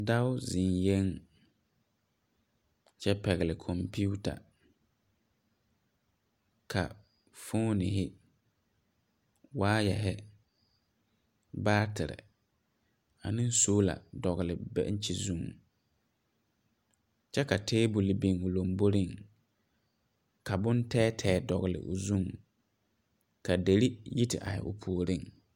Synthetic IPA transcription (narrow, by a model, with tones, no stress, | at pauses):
da˦ʊ˦zɪ˨nje˦ŋ | t͡ʃɛ˦pɛ˨ɣɪ˨lɪ˨kʰɔ˨mpʰi˦u˦ta̰˨ | kʰa̰˨ | fo˦nɪ˨ɦɪ˦ | waː˦jɛ˨ɦɛ˦ | baː˦tʰɪ˨ɾɪ̰˨ | a̰˨nɪ̃˦n˦soː˦la̰˨dɔ˨ɣɪ˨lɪ˨bɛ̰˦n̩˦t͡ʃi˨zũ˦ŋ | t͡ʃɛ˦ka˨tʰeː˦bu˨lɪ˨bi˨ŋʊ˨lo˨mbo˦ɾi˦˨ŋ | ka˨bʊ̃˦n˦tɛː˦tʰɛː˦dɔ˨ɣɪ˨lɪ̰˨ʔʊ˨zũ˦ŋ | ka˨de˨ɾi˦ji˦tɪ̰˨ʔa̰˨hɪ̰˨ʔʊ̰˨pʰu˨o˨ɾi˦˨ŋ